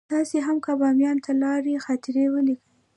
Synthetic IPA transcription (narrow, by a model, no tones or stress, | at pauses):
t̪ɑseɦamkabɑmjɑnt̪ʰalɑɾexɑt̪ɪɾewəlikəj